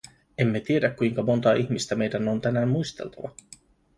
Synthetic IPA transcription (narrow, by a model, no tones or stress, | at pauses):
e̞mːe̞t̪ie̞dækːujŋkɑmo̞nt̪ɑːʔiçmist̪æme̞jdænont̪ænæːmmujst̪elt̪ʰɑʋɑ